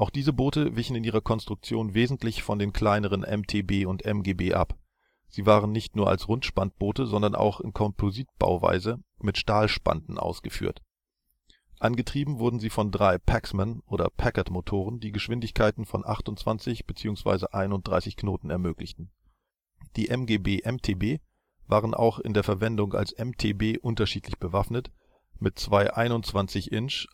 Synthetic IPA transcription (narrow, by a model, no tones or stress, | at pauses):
ʔaʊxd̥iːzəboːtəvɪçn̩ɪnʔiːʁɐkʰɔnstʁ̥ʊk̚t͡sjoːnveːzn̩tlɪçfɔndeːnkʰl̥aɪnəʁ̞ənʔɛ̰mtʰeːbeːʊntʔɛmɡeːbeːʔa̰p | z̥iːvaːʁ̞ənːɪçtnuːɐʔa̰lsʁʊntʃpant̚b̥oːtəzɔndɐnʔa̰ʊxɪnkʰɔmpʰoziːt̚b̥a̰ʊva̰ɪzəmɪtʃtaːlʃpa̰ndn̩ʔa̰ʊsɡ̥əfy̰ːɐt | ʔanɡətʁ̥iːbm̩vʊɐdn̩ziːfɔndʁaɪpʰɛksmanʔoːɾɐ̰pʰɛkɐtmotʰoːʁ̞əndiːɡəʃv̥ɪndɪçkʰaɪtn̩fɔ̰nʔaχtʊntt͡sv̥a̰nt͡sɪçb̥ət͡siːʊŋsv̥a̰ɪzəʔaɪnʊnt̚d̥ʁaɪsɪçknoːtn̩ɛɐmøːklɪçtn̩ | d̥iːʔɛmɡeːbeːʔɛmtʰeːbeː | vaːʁənʔa̰ʊxɪ̰ndeːɐfɛɐvɛndʊŋa̰lsʔɛmtʰḛːbeːʔʊntɐʃiːtlɪçb̥əvafnət | mɪtt͡sv̥aɪʔaɪnʊnt͡sv̥ant͡sɪçʔɪnʃ